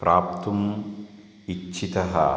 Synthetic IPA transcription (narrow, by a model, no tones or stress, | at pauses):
pɾaːp̚t̪um | it͡ʃːʃʰit̪ɐɦɐ̰